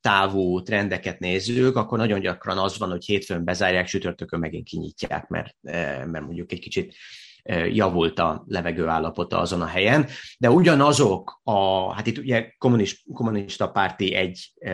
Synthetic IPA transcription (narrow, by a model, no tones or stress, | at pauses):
t̪aːvuːt̪rɛnd̪ɛkɛt̪neːzːykɒkːo̞rnɒɟo̞ɲɟɒkrɒnɒzvɒnho̞cheːt̪fømbɛzaːrjaːkʃyt̪ø̞rt̪økømːɛɡḭŋkiɲḭcːa̰ːkmɛ̰rmɛrmo̞ɲɟukɛcki̥t͡ʃit̪ | øjɒvult̪ɒ̰lɛvɛɡøːaːlːɒpo̞t̪ɒ̰ɒ̰zo̞nɒɦɛjɛnd̪ɛuɟɒnɒzo̞kɒhat̪it̪ːuɟɛko̞muniʃko̞muniʃt̪ɒpaːrt̪iɛɟː